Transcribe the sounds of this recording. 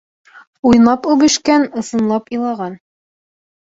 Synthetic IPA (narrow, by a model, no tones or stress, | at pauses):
ujnˠɑpʉβɘ̆ʃkænɤ̆sɤ̆nlˠɑpilˠɑʁɑn